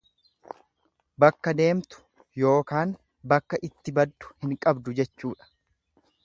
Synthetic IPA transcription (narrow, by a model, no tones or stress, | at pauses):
bɐkːɐd̪e̞ːmt̪ʊ̥ | jo̞ːkaːn | bɐkːɐʔɪt̪ːɪbɐd̪ːʊ̥hɪŋkʼɐbd̪ʊd͡ʒɛt͡ʃːuːᶑɐ̥